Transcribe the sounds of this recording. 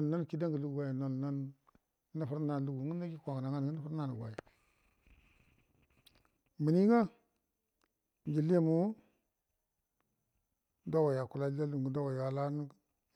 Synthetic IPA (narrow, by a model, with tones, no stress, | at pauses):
o˨lna˦n˨ki˦da˦ŋɡə˨lu˦ɡɡa˨ja˨no˨lna˦nː | a˦fu˦ɾna˨lu˨ɡu˨˦u˦na˦ɡi˦kʷa˨a˨na˨ŋa˦n˨ɡi˦na˦fu˦ɾna˦nu˨ɡʷa̰˨ja˨ | mi˨ni˦ŋa˦ | d͡ʒi˨li˦a˦˨mu˦ | da˦wa˨ja˨ku˨la˦a˦lu˨ɡu˦da˦wa˨ja˨la˦n˦